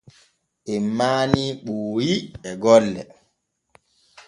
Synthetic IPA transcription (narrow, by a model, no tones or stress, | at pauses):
ʔɛmːaːniːɓuːjiɛɡɔlːɛ̰